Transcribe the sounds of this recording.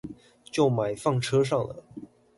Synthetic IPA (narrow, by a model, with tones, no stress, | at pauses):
t͡ɕjo˥˩ʊma˨˩ɪfɑ˥˩ŋʈ͡ʂʰɤ˥ʂ̬ɑ˥˩ŋlə̰˩